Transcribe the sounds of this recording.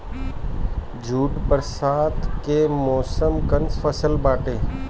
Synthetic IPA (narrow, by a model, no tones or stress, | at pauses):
d͡ʒʱuːʈpəɾsaːt̪ʰkemɔːsəmkənsfʰəsəlbaːʈeː